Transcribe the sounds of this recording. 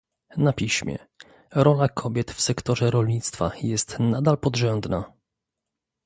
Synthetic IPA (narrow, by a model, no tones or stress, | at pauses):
napʲiɕmʲjɛ̰ | ɾɔlakʰɔbʲjɛt̪fsɛkt̪ɔʐɛɾɔlɲit̪st̪fa̰jɛst̪nad̪alpɔd̪ʐɛnb̪na